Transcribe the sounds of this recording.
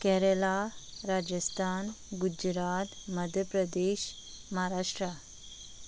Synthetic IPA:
kɛɦɾəlaɾad͡ʑəst̪ʰan | ɡud͡ʑɾat̪məd̪ʱjəpɾəd̪eɕ | maɦaɾaʂʈɾa

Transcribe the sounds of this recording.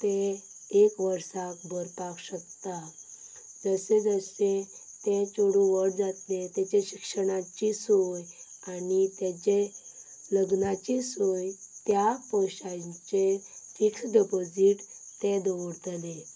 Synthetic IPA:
t̪eː | kʋəɾsakbʱəɾpakɕək̚t̪a | d͡zəsed͡zəse | t̪ẽt͡ɕoɽũʋəɽd͡zat̪let̪at͡ɕeɕikʂəɽ̃at͡ɕisojanit̪et͡ɕe | ləɡnat͡ɕisojt̪japɔwɕat͡ɕefiksɖipod͡ziʈt̪ed̪ʋɽt̪əle

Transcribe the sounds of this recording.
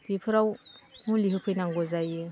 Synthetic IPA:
bipʰɯɾawmuliɦɯpʰɯjnaŋɡɔzajɯ

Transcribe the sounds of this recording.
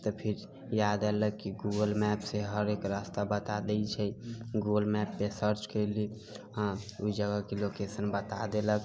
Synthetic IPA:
t̪əpʰiɾ | jad̪ɛləkːiɡuɡəlmɛpseɦəɾekɾəst̪abət̪ad̪ɛjt͡ʃʰɛɡuɡəlmɛpːesəɾt͡ʃkəɪli | ãuid͡ʒəɡəkelokesənbət̪a̰d̪elək

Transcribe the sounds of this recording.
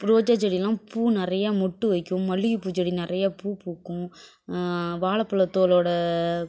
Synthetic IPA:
pɾoːd͡ʒɐd͡ʒɐɽijlãːpuːnɪɾɐjamɔʈːɯʋɐɪkːɯ̃mːɐɭːɪɣipuːt͡ʃɐɽinɪɾɐjapuːpuːkːʊ̃ | ʋaːɭɐpːɐɭɐt̪ːoːloːɽɐ

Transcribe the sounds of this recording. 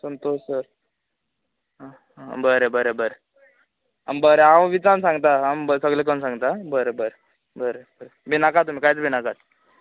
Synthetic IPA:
sənt̪ossəɾ | ɦ | bəɾebəɾebəɾe | a̰mbəɾeɦawʋit͡sansãŋɡt̪aambsəɡlekənsãŋɡt̪abəɾebəɾe | bəɾebəɾebʱinakat̪ːum̤iːkajt͡sbʱinakat̪

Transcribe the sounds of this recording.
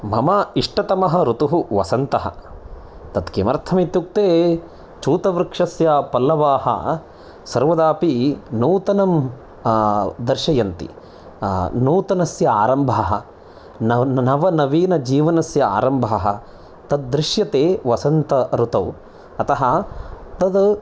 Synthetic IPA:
mɐmɐiʂʈɐt̪ɐmɐɦɐɾut̪uɦuʋɐ̰sɐnt̪ɐɦɐ̰ | t̪ɐt̪kemɐɾt̪ʰɐmit̪juk̚t̪eː | t͡ʃuːt̪ɐʋɾkʂɐsjapɐlːɐʋaːhɐ̰ | sɐɾʋɐd̪aːpinuːt̪ɐnɐm | d̪ɐɾʃɐjɐnt̪ḭ | nuːt̪ɐnɐsjɐa̰ːɾɐmbʱaːɦɐ̰ | nɐʋɐnɐʋiːnɐd͡ʒiːʋɐnɐsjɐa̰ːɾɐmbʱaːɦɐ̰ | t̪ɐd̪̚ːɾɪʃjɐt̪eːʋɐsɐnt̪ɐɾut̪ɐw | ɐt̪ɐɦɐt̪ɐd̪

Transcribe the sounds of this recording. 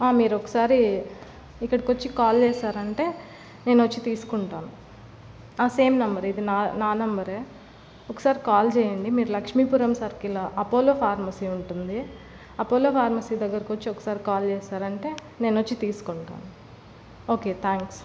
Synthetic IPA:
aːmiːɾɔkɐ̥saːɾi | ikːɐɽɐkot͡ʃːikaːlt͡ʃɛːʃaːɾɐɳʈe̞ː | ne̞ːnɐt͡ʃːit̪iːsu̥kuɳʈaːnu | aːse̞ːmnɐmbɐɾid̪inaːnaːnɐmbɐɾeː | okːɐ̥saːɾikaːlt͡ʃɛːjɐɳɖimiːɾulɐkʂmiːpuɾɐmsɐɾkilɐʔɐpoːloːpʰaːɾmɐsiːuɳʈund̪i | ɐpoːloːpʰaːɾmɐsiːd̪ɐɡːɐɾɐkot͡ʃːiɔkɐ̥saːɾikaːlt͡ʃɛːsaːɾɐɳʈe̞ː | ne̞ːnot͡ʃːit̪iːsu̥koɳʈa̰ːnu | o̞ːke̞ːt̪ʰaːŋks

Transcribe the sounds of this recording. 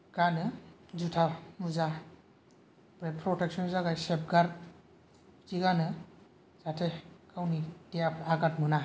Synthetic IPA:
ɡ̥anɯzutʰanuza | bɾepʰɾɔtek̚sɔnuzaɡajsep̚ɡaɾ | tiɡanɯ | z̥atʰekawnidejapʰaɡat̚mɯna

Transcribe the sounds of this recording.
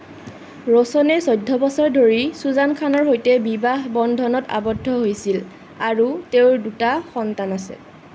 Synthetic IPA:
ɹɔsɔnɛsɔjdʱːɔbɔsɔɹdʱoɹisuzankʰanɔɹɦojtɛbibaɦbɔndʱɔnɔta̰bɔdʱːɔɦojsil | aɹuteʊdutaxɔntanasɛ̰

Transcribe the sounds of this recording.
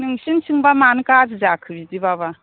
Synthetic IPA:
nɯŋsinsʰɯŋbamankazzakʰɯbidibaba

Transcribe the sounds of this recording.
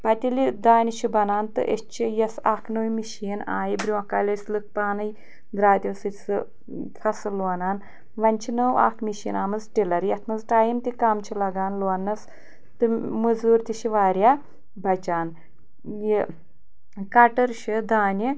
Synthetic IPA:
pɐt̪ʲilid̪aːnʲiʃibɐnaːnt̪ɨ̰ʔet͡ʃʰijɐsaːknɨwmiʃiːna̰ːjibɾʲiɐkaːlʲɐslɨk̚paːnɐj | d̪ɾaːd̪ʲjowsɨsɨ | kʰɐsɨloɐnaːn | ʋɐnʲt͡ʃʰinəwa̰ːkʰmiʃḭːnaːmɐzʈilɐɾjɐt̪ʰmɐzʈaːjimt̪ikamt͡ʃʰilɐɡaːnloɐnːɐs | t̪ɨmɨzuːɾt̪iʃiʋaːɾʲjaː | bɐt͡ʃaːn | ji | kɐʈɐɾʃid̪aːnʲi

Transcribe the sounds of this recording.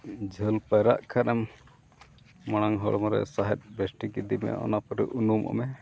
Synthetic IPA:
d͡ʒʱəlpaɾa̰ʔkʰaɾɛm | mɔɽ̃aŋɦɔɭmɔɾɛ̰saɦɛt̪̚ˀbesʈiɡid̪imɛ̰ɔ̰napɔɾɛ̰ʔunumʔɔ̰mɛ

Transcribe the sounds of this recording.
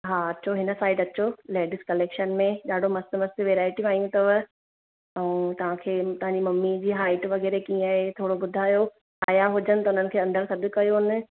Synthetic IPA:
ɦaːɐt͡ɕʰoɦɪnəsaːɪɖɐt͡ɕoleːɖɪskɐleːkʃənmẽɗaːɖʱomɐst̪ɪmɐst̪ɪʋeːɾaːɪʈĩaːjũt̪ɐʋɐ | ɛũːt̪ɐʋ̤ãkʰeːt̪ɐɦãːɲd͡ʑimɐmːid͡ʑiːɦaːɪʈʋɐɣɛːɾekĩːaːɦet̪ʰoːɽobʊd̪ʱaːjo | aːjaɦʊd͡ʑənɪ̆ɐʊn̤ənɪ̆kʰeːɐ̃nd̪əɾsɐd̪ʱʊ̆kɐjonɪ̆

